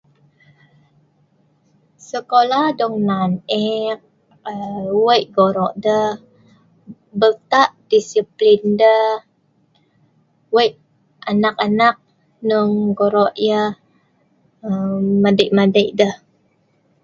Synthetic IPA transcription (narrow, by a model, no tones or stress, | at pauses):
səkolahdɔŋnanɛk̚ | əwəjʔɡoɾɔʔdə | bət̪aʔd̥isiplində | wəjʔ | ʔanak̚anak̚ | nuŋɡoɾɔʔjə | madəʔmadəʔdəh